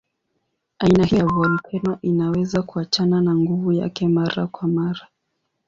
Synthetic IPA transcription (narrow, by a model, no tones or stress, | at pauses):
ainahijavualikʰɛnɔʔinawɛzakuat͡ʃananaŋɡuvuja̰kɛmaɾa̰kwamaɾa